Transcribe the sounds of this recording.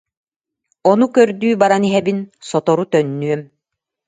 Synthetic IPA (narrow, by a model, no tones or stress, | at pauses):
ɔnukœɾd̪yːbaɾaniɦɛbinsɔt̪ɔɾut̪œnːyɛm